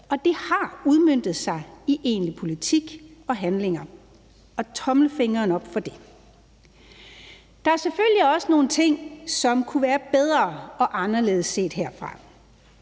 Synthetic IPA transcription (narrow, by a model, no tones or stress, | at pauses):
ʔɒ̽d̥e̝hɑ̈uð̞ˠmøn̰d̥ð̞̩ˠsɑ̈ɪiʔe̝̰ːnlipʰo̝lit͡sʰiɡ̥ɒ̽ɦænle̝ŋɐ | ɒ̽t͡sʰɒ̽mləfe̝ŋɐːnɒ̽b̥fɒ̽d̥e̝ | d̥ɑ̈æɐseføljiɒ̽səno̝ːn̩t͡sʰe̝ŋ̰sɒ̽mkʰuʋæːɐb̥eð̞ˠʁɐːɒ̽ʔɑ̈nɐle̝̰ːð̞̩ˠsːe̝̰ːd̥ɦeɐ̰fʁɑ̈